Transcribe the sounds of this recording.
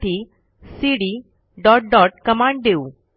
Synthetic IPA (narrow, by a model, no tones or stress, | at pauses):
ʈ̪iː | siɽi | ɖɔʈ̚ɖɔʈkəmãɳɖ̚d̪eu